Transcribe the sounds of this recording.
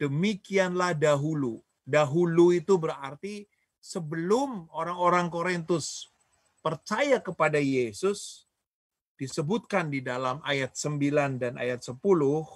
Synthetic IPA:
d̥əmikianlahdaɦulu | daɦuluit̪ubəɾart̪i | səbəlʊmoɾaŋoɾaŋkoɾint̪ʊs | pərt͡ʃajakəpadajesʊs | d̥isəbʊt̪̚kandidalamajat̪̚səmbilandanʔa̰jat̪̚səpulʊh

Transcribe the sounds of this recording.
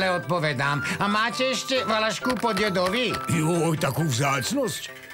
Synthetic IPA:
lɛɔt̪̚pɔʋɛd̪aːmamaːcɛɛʃcɛʋalaʃkupɔd̪jɛd̪ɔʋijɔɔjt̪akuːvzaːt͡snɔsc

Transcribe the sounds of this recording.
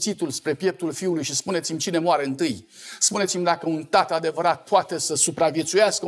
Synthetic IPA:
sit̪ulspɾe̞pje̞p̚t̪ulfiulujʃispunesimʲt͡ʃine̞mowaɾe̞ɨnt̪ɨj | spune̞t̪simʲd̪akəunt̪at̪əad̪e̞vəɾat̪̚pʰoat̪e̞səsupɾavje̞t̪sujaskə

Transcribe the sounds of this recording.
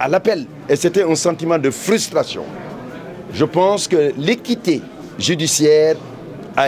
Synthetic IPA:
alapɛl | eset̪ɛɛ̃sɑ̃t̪imɑ̃d̪əfɾyst̪ɾasjɔ̰̃ | ʒəpɑ̃skəlekit̪e | ʒyd̪isjɛːʁ | a

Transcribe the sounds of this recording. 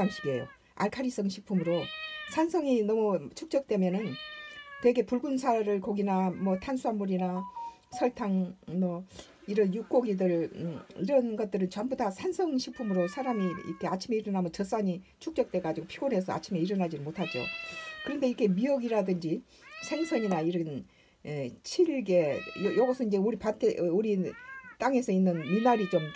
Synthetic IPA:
amɕʰi̥ɡiḛjo̰ | a̰ɭkʰaɾis͈ʌŋɕʰi̥k̚pʰumɯɾosʰansʰʌŋinʌmut͡ɕʰuk̚t͡ɕ͈ʌk̚t͈e̞mjʌnɯntwe̞ɡe̞puɭɡunsʰaɾɯɭkoɡinamwʌtʰansʰuanmuɾinasʰʌɭtʰaŋmʌ | iɾʌnjuk͈oɡidɯɭiɾʌnɡʌt̚t͈ɯɾɯnt͡ɕʌmbudasʰansʰʌŋɕʰik̚pʰumɯɾosʰaɾamiḭkʰe̞at͡ɕʰime̞iɾʌnamʌt͡ɕʌs͈aɲit͡ɕʰuk̚t͡ɕ͈ʌk̚t͈e̞ɡad͡ʑiɡopʰiɡone̞s̬ʰʌa̰t͡ɕʰime̞iɾʌnad͡ʑinmotʰad͡ʑo̰kɯɾʌnde̞iɾkʰe̞miʌɡiɾadɯnd͡ʑi | sʰeŋsʰʌɲinaiɾʌn | et͡ɕʰiɭɡe̞jʌjʌɡʌsʰʌind͡ʑe̞uɾipatʰeuɾit͈aŋe̞sʰʌinːɯnminaɾit͡ɕom

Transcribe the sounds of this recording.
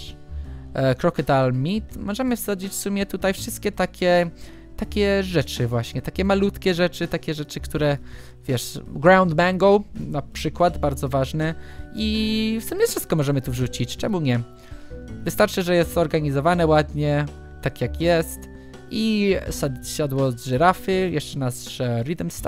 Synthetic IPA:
kɾɔkɛt̪almʲit̪mɔʐɛmɘfsad͡ʑit͡ɕfsumʲjɛt̪ut̪ajfʂɨst̪kʲɛt̪akʲɛ | t̪akʲɛʐɛt͡ʂɘvwaɕɲɛt̪akʲɛmalut̪kʲɛʐɛt͡ʂɘt̪akʲɛʐɛt͡ʂɘkt̪uɾɛ | vʲjɛʂɡɾawnd̪maŋɡɔwnapʂɘkwad̪baɾd̪zɔvaʐnɛifsumʲjɛffʂɘst̪kɔmɔʐɛmɘt̪uvʐut͡ɕit͡ɕt͡ʂɛmuɲɛ | vɨst̪aɾt͡ʂɘʐɛjɛst̪zɔɾɡaɲizɔvanɛwad̪ɲɛ | t̪akʲjakjɛst̪ | isaɕad̪wɔzʐɛɾafɘjɛʂt͡ʂɛnazʐ̥ɛɾid̪ɛmst̪

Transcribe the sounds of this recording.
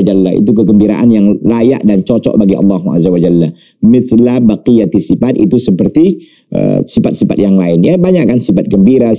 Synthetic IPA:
d͡ʒalːaḭt̪uk̬əɡəmbiɾa̰ʔanjaŋlaja̰ʔdant͡ʃɔt͡ʃɔ̰ʔbaɡiʔɑ̰lːɑɦua̰zawad͡ʒalːa | mɪθlabaqijat̪isifat̪ḭt̪usəpərt̪i | ʔə̰sifat̪̚sifat̪̚jaŋlaɪnjabaɲaʔkːansifat̪̚ɡəmbiɾa

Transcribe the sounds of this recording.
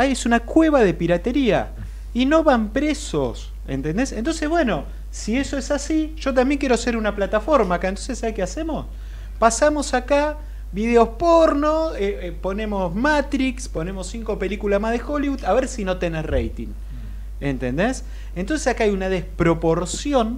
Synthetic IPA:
ajesunakwe̞βaðe̞piɾat̪e̞ɾia̰ | ino̞βampɾe̞so̰s | ḛnt̪e̞nd̪esent̪o̞nse̞ɦβwe̞no̞ | sie̞so̞esasiʒ̥o̞t̪̬ambje̞ŋkjeɾose̞ɾunaplat̪afo̞ɾmaːkaent̪o̞nsesaβekeasemo̞s | pasamo̞saka | βið̞e̞o̞spoɾnoe | po̞nẽ̞mo̞smat̪ɾikspo̞ne̞mo̞siŋko̞pe̞likulasmaðe̞xo̞liβuðaβeɾsino̞t̪enerejt̪ḭŋ | ent̪e̞nd̪es | ent̪o̞ns̬esakaajunað̞espɾo̞po̞ɾsjon

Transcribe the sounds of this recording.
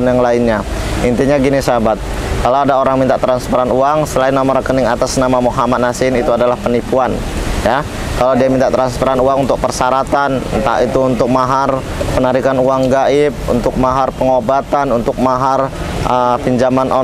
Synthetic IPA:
njaŋlaɪnɲa | int̪iɲaɡinisabat̪̚ | kalawadaoɾaŋmint̪aʔt̪ɾanspəɾanuaŋsəlaɪnːamaɾəkənɪŋat̪asnamamoɦamat̪̚nasɪnit̪uadalahpənipuan | ja | kalawdiamint̪aʔt̪ɾanspəɾanuaŋunt̪ʊk̚pərsaɾat̪ant̪a̰ʔit̪uːnt̪ʊk̚maɦar | pənaɾikanuaŋɡaʔɪp̚ṵnt̪ʊk̚maɦarpəŋobat̪anunt̪ʊk̚maɦar | əfiɲd͡ʒamanʔo

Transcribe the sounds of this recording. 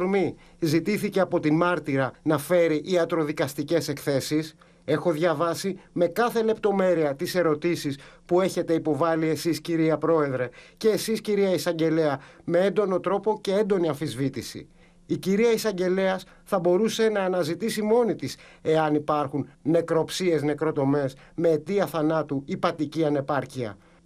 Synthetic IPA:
ɾmi | zit̪iθiceɐpo̞t̪imɐɾt̪iɾɐnɐfe̞ɾiʔiɐt̪ɾo̞ðikɐst̪ice̞se̞kθe̞sis | e̞xo̞ðʝɐvɐsime̞kɐθe̞le̞pt̪o̞me̞ɾiɐt̪ise̞ɾo̞t̪isispue̞çe̞t̪e̞ipo̞vɐlie̞sisciɾiɐpɾo̞e̞ðɾe̞ce̞ːsisciɾiɐisɐɲɟe̞le̞ɐme̞e̞nd̪o̞no̞t̪ɾo̞po̞ce̞e̞nd̪o̞niɐɱfizvit̪isḭ | iciɾiɐisɐɲɟe̞le̞ɐs | θɐbo̞ɾuse̞nɐːnɐzit̪isimo̞nit̪is | e̞ɐnipɐɾxunne̞kɾo̞psie̞zne̞kɾo̞t̪o̞me̞s | me̞ːt̪iɐθɐnɐt̪uipɐt̪iciɐne̞pɐɾciɐ̰

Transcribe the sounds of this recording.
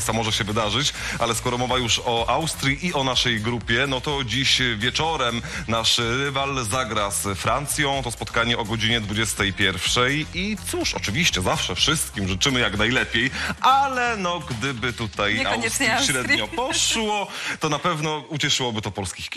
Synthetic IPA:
st̪amɔʐɛɕɛvɘd̪aʐɘt͡ɕʔa̰lɛskɔɾɔmɔvajuʂɔʔawst̪ɾʲjiʔiɔnaʂɛjɡɾupʲjɛnɔt̪ɔd͡ʑiɕvʲjɛt͡ʂɔɾɛmnaʂɾɘvalzaɡɾasfɾant̪sʲjɔ̃w̃t̪ɔspɔt̪kaɲɛʔɔɡɔd͡ʑiɲɛd̪vud͡ʑɛst̪ɛjpʲjɛɾfʂɛjit̪suʂɔ̰t͡ʂɘvʲiɕt͡ɕɛzafʂɛfʂɘst̪̚kʲimʐɘt͡ʂɘmɘjaknajlɛpʲjejʔalɛnɔɡd̪ɘbɘt̪ut̪ajawɛɕɾɛd̪ɲɔpɔʂwɔt̪ɔnapɛvnɔut͡ɕɛʂɘwɔbɘt̪ɔpɔlskʲixkʲ

